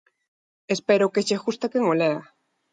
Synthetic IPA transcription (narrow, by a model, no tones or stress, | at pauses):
espeɾokeʃexust̪akeŋoleɣa